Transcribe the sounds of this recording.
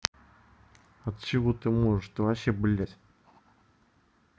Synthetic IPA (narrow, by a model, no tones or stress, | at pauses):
ɐt̪t͡ɕɪvot̪ɨmoʐɨʂt̪ovaɕeblʲæt̪ʲ